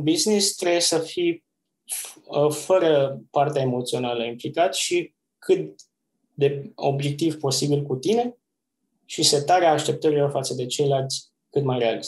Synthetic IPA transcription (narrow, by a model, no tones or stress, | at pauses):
biznist̪ɾejesəfi | əfəɾəpart̪eae̞mo̞t̪sio̞naləimplikat̪ʃi | kʰɨt̪ | d̪e̞o̞̰bje̞k̚t̪ivpo̞sibilkut̪ine̞ | ʃise̞t̪aɾeaːʃt̪e̞p̚t̪əɾilo̞rfat̪səd̪e̞t͡ʃe̞jlalt̪sʲ | kɨt̪majreal